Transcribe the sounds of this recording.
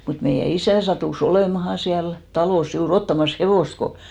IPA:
mut meijæ isæˑ sɑtuˑs oleˑmɑhɑ siæl tɑloˑs juːr otːɑmɑs heʋoˑst ko

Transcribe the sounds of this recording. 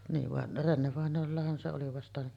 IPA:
niːʋ ʋɑn renːeʋɑˑenˑoːlːɑhɑn se oli ʋɑstɑ

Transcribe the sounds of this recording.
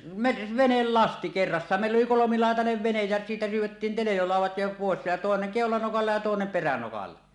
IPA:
me ʋenelːɑsti kerːɑsːɑːn meˑilː oli kolomilɑˑetɑneʋ ʋenej jæ siːtæ syːwˑetːin telejolɑˑuwˑɑt jo poˑes jɑ toˑeneŋ keˑolɑnokɑlːɑ jɑ toˑenem perænokɑlːɑ

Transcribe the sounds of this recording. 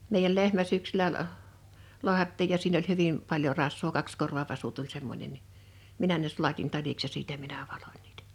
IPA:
meˑijæl lehmæ sẙksylæ əʔ loɑhɑtːiːj jɑ siːn olʲ hyʋim pɑljo rɑsˑʋoː kɑkskorʋɑʋɑsu tulʲ semːonʲen ni minæ ne sulɑtin tɑliks jɑ siːtæ minæ ʋɑlo̥n̥ʲ n̥i̥ːtæ̥

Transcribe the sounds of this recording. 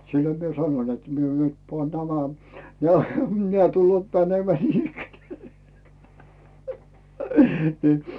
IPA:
silʲloĭm mie sɑnoĭn net mie nyt pŏɑˑn næmæ neæˑ neæˑ tulːŭoˑt mænemĕæˑ niːnikːeneæˑ niː

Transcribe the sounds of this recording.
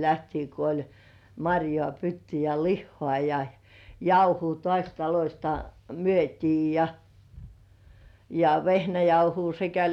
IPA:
læhtiː ko olʲ mɑrʲjŏɑˑ pytːy jɑ lihːŏɑˑ jɑ jɑuhuː tŏɑˑsʲ tɑlosʲtɑ myøtʲiː jɑ jɑ ʋehnæjɑuhuː sekæ

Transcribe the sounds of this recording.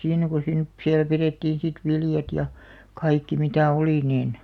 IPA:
siːnæ ko siːn siæl pireˑtːiːn̞ sit ʋiljɑt jɑ kɑikːi mitæˑ oliˑ niːn

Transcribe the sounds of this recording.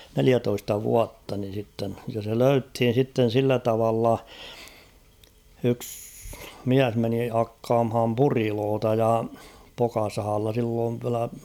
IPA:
neliætoistɑ ʋuɑtːɑ nin̞ sitːen jɑ se løythin̞ sitːen̞ silːæ tɑʋɑlːɑ yks miæs meni hɑkːɑːmhɑm puriloːtɑ jɑ pokɑsɑhɑlːɑ silːoːʋ ʋiælæ

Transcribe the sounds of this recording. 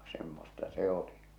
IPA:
semːostɑ se oli

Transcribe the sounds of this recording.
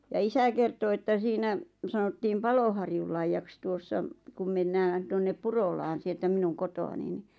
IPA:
jɑ isæ kerto etːæ siːnæ sɑnotːiːm pɑlohɑrjulːɑijːɑks tuosːɑ kum menːæːn tonːep purolɑːn sieltæ minun kotoɑni ni

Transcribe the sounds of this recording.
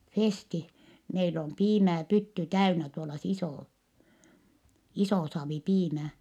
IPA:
festi meil om piːmæː pytːy tæynæ tuolɑ s isoˑ isoˑ sɑːʋi piːmæː

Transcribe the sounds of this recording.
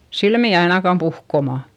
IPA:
silmiˑ ɑinɑkɑm puhkomɑ

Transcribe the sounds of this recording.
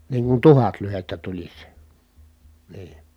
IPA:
niːŋ kun tuhɑt lyhetːæ tulʲis niː

